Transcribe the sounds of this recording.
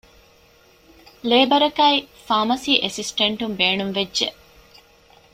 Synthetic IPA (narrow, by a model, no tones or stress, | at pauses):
leːbɐɾɐkɐifaːmɐsiːʔesisʈeɳʈumbeːnumʋedʒe